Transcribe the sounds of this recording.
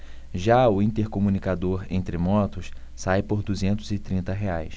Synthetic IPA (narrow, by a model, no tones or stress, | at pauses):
ʒaʊĩnt̪eɾkomunikad̪oɾḛ̃nt̪ɾɪmɔt̪ʊs | sajpoɾd̪uzẽnt̪ʊzɪt̪ɾĩnt̪ɐɦeajs